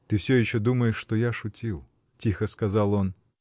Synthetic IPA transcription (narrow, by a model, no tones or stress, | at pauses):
t̪ɨwsʲɔjɛɕːɔd̪uməjɪʂːt̪ɔjaʂʊtʲilˠ | tʲixɐskazalˠɔn